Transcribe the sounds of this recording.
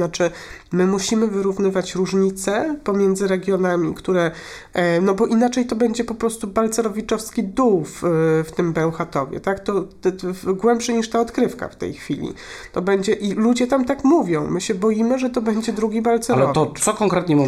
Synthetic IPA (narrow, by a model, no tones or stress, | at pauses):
nat͡ʂɘmɘmuɕimɘvɘɾuvnɘvat͡ɕɾuʐɲit̪sɛpɔmʲjɛnd̪zɘɾɛɡʲjɔnamʲikt̪uɾɛ | nɔbɔʔinat͡ʂɛjt̪ɔbɛɲd͡ʑɛpɔpɾɔst̪ubalt̪sɛɾɔvʲit͡ʂɔfskʲid̪uwfft̪ɘmbɛw̃xat̪ɔvʲjɛ̰t̪akt̪ɔ | ɡwɛmpʂɘɲiʂt̪aɔt̪kɾɘfka̰ft̪ɛ̰jxfʲilʲḭ | t̪ɔbɛɲd͡ʑɛʔilud͡ʑɛt̪amt̪akmuvʲjɔ̃w̃mɘɕɛbɔjimɘʐɛt̪ɔbɛɲd͡ʑɛd̪ɾuɡʲibalt̪sɛalɛɔt̪ɔsɔkɔŋkɾɛt̪ɲɛmu